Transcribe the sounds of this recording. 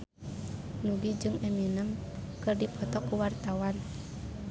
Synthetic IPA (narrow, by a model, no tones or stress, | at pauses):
nuɡid͡ʒɨŋɛminəm | kɨrdipɔt̪ɔkːuwart̪awan